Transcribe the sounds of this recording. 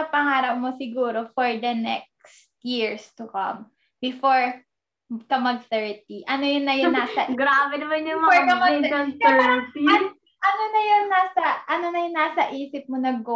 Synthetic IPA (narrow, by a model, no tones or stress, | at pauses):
ɐpɐŋaːɾɐʔmosɪɡuːɾo̞fɔɹd̪ɐnɛ̰k̚s | t̪jiɹst̪ʊkɐ̰m | bɪfoɹ | kɐmɐɡ̚θɛɹt̪̚iʔɐnojʊnːɐjʊnːaːsɐɡɾaːbɛnɐmɐnjʊmɐɔɹkɐmɐsɐŋt̪ɛt̪iɐ | ʔɐnonɐjonːaːsɐʔɐnonɐjʊnːaːsɐʔiːsɪp̚monɐɡo